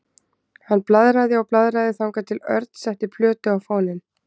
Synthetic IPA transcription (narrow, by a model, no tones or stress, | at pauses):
hanːplaðɾaðɪɔɣplaðɾaðɪθawŋkat̪ʰɪlœ̰ɾt̪n̥sɛht̪ɪpʰlœːt̪ʏawfaːwnɪn